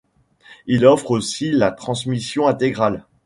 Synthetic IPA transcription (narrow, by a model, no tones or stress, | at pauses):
ilɔfχosilat̪χɑ̃smisjɔ̃ɛ̃t̪eɡʁal